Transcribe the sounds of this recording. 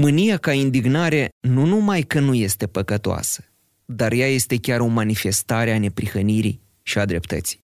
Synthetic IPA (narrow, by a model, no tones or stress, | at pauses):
mɨnijakaind̪iɡnaɾe̞nunumajkənuje̞st̪e̞pəkət̪oa̰sə̥ | d̪arjaje̞st̪e̞kʲaɾo̞manife̞st̪aɾeane̞pɾixəniɾḭj | ʃiad̪ɾe̞pt̪ə̰t̪si̥j